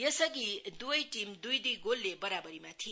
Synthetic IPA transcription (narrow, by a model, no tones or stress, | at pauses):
jesʌɡid̪ubʌjʈimd̪ujd̪ujɡolːebʌɾabʌɾimat̪ʰi